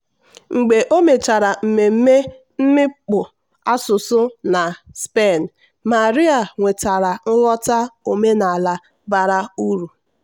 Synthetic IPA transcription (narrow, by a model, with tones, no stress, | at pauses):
ŋ͡m̩˨ɡ͡be˨ʔo˦me˨t͡ʃa˨ɾa˨m̩˨me˨m̩˦me˦ | m̩˦mɪ˦k͡pʊ˨ | a˦sʊ˨sʊ˦na˨spe˦˨n˨ | ma˨ɾi˦a˨ŋʷe˨ta˨ɾa˨ŋ̩˦ɣɔ˦ta˦o˨me˦na˨la˨ | ba˨ɾa˦u˦ɾu˨